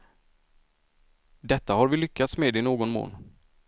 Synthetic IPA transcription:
d̪ɛt̪ːahaɾvɪlʏkːat̪smeːd̪ɛɪnoːɡɔnmo̰ːn

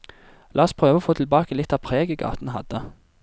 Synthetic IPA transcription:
lʔɑːspʰʁøːʋəɔːfoːt̪ʰɪlbɑːkəlɪt̪ːɑːpʰʁeːɡəɡɑ̰ːt̪n̩ɦɑ̰d̪ə

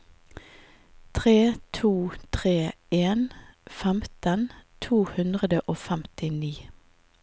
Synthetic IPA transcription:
t̪ʰʁeːt̪ʰuːt̪ʰʁeː | eːnfɛmt̪ənt̪ʰuːhʉnd̪ʁəd̪əʔoːfɛmt̪ɪniː

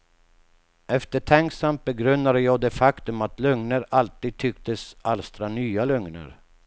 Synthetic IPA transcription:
ɛft̪əʈʰɛŋksamt̪̚bɛɡɾɵnːad̪əjɑːɡd̪ɛfakt̪ɵmat̪lɵŋnəɾalt̪iːd̪̚t̪ʰʏkt̪əsalst̪ɾanyːalɵŋnə̰ɾ

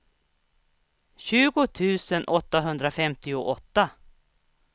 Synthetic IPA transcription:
ɕʉ̟ːɡʊt̪ʰʉ̟ːsənʔɔt̪ːaɦɵnd̪ɾafɛmt̪ɪʊʔɔt̪ːa

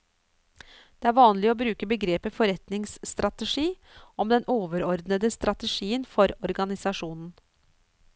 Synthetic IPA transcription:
d̪̥eːæːɾʋɑːnlɪoːbɾʉːkəbəɡɾeːpəfɔɾɛt̪nɪŋst̪ɾɑt̪əʂiː | ɔmd̪ɛnʔoːʋəɾɔɾd̪nəd̪əst̪ɾɑt̪əʂiːənfɔɾɔɾɡɑnɪsɑʂuːnn̩

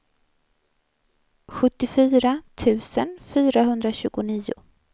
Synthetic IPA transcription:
ɧɵt̪ːɪfyːɾat̪ʰʉ̟ːsənfyːɾaɦɵnd̪ɾaɕʉ̟ːɡʊniːʊ̰

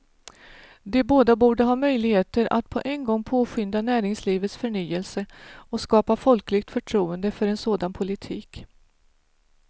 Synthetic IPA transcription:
d̪ɛboːd̪abuːɖəɦɑːmœjlɪɡheːt̪əɾʔa̰t̪pʰɔʔɛnɡɔŋːpʰoːɧʏnd̪anæːɾɪŋsliːvət̪sfœɳyːəlsəɔskɑːpafɔlklɪɡ̚t̪fœʈʰɾuːənd̪əfœɾɛnsoːd̪anpʰʊlɪt̪ʰiːk

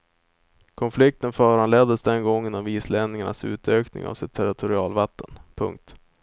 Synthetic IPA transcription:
kʰɔnflɪk̚t̪ənfœːɾanleːd̪əsd̪ɛnɡɔŋːənɔmiːsleːnnɪŋaɳa̰sʉ̟̰ːt̪ʰøːknɪ̰ŋa̰vsɪt̪ʰːæɾɪt̪ʰʊɾɪɑːlvat̪ʰːənpʰɵ̰ŋk̚t̪

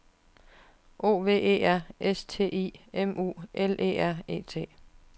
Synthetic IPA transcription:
ʔo̝̰ːʋe̝̰ːe̝̰ːæɐ̰est͡sʰe̝̰ːḭːemṵːʔelʔḛːæɐ̰e̝̰ːt͡sʰe̝̰ː

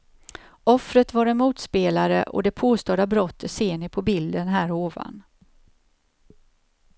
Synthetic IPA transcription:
ɔfɾət̪vaɾɛnmuːt̪speːlaɾə̰ʔɔ̰d̪ɛpʰoːst̪oːd̪abɾɔt̪ʰːət̪seːnɪpʰɔbɪld̪ənɦæːɾoːva̰n

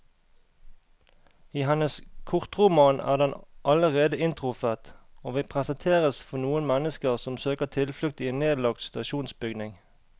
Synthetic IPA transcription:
iːhɛnəskʰʊʁt̪ʁʊmɑːnʔæ̰ːʁd̪ɛnʔɑləʁeːd̪əɪnt̪ʁʊfæːʁt̪oːʋiːpʰʁɛsənt̪ʰeːʁəsfɔnuːənmɛnəskəʁsɔmsøːkəʁt̪ʰɪlflʉk̚t̪iːeːnneːd̪lɑk̚t̪st̪ɑʃuːnsbʏɡnɪŋ

